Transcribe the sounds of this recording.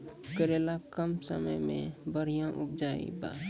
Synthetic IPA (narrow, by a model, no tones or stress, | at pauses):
kəɾelakəmsə̰mə̰jmḛ̃bəɽ̤ijãʔʊp̚d͡ʒaːḭ̃ba̰ː